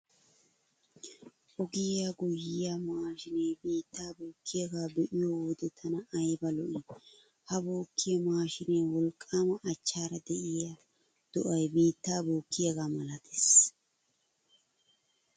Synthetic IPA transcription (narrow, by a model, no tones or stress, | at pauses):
ʔɔɡɪjaɡʊjːɪjamaːʃɪnɛjbiːt̪ːaːboːkʰːɪjɐɡaːbɛʔɪjɔwoːd̪ɛt̪ʰːɐnɐʔːjbɐlɔʔɪ | hɐboːkːɪjɐmaːʃɪneːwɔlkʼːaːmɐʔːt͡ʃːaːɾɐd̪ɛʔɪjɐ | d̪̥ɔʔɐjbiːt̪ːaːboːkʰːɪjɐɡaːmɐlɐt̪ʰe̥s